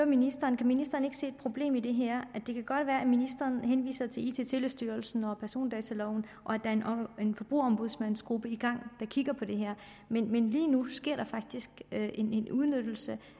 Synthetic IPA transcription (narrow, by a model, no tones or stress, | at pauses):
øminisd̥ɐːnkʰæminisd̥ɐːne̝ɡ̥se̝̰ːed̥̚pʰʁo̝b̥le̝̰ːmid̥e̝ɦæɐ̰ʔæd̥e̝kʰæɡ̥ɒ̽d̥ʋæːɐæminisd̥ʁɐːnɦenʋḭːsɐt͡sʰe̝lḭːt͡sʰe̝̰t͡sʰe̝lesd̥yːɐlsn̩ɒ̽pʰæɐso̝̰ːnd̥ɛt͡sʰælɒʊn̩ | ʔɒ̽æd̥ɑ̈ɐene̝nfɒ̽b̥ʁṵɐɒ̽mb̥uð̞ˠsmænsɡ̥ʁub̥əiɡ̥ɑ̈ŋ̰d̥ɑ̈kʰiɡ̥ɐpʰɒ̽d̥e̝ɦæɐ̰ | menmenliːnusɡ̥e̝ɐ̰d̥ɑ̈fɑ̈ɡ̥̚d̥isɡ̥ʔe̝ne̝nuð̞ˠnød̥l̩sə